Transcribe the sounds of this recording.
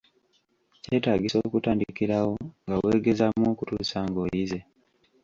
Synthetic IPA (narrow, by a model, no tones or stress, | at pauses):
ce̞ːtaːɡiso̞ːkutaːndikiɾawo̞ŋɡawe̞ːɡe̞zamoːkutuːsaŋɡo̞jize̞